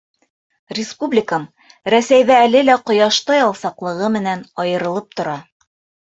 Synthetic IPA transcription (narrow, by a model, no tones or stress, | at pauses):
rʲɪspublʲɪkəm | ɾæsæjðæːlɘlæqŏjɑʃt̪ɑjɒlˠsɑqlˠɤ̆ʁɤmɘ̆nænɒjɤ̆ɾɤ̆lˠɤp̚t̪ŏɾɑ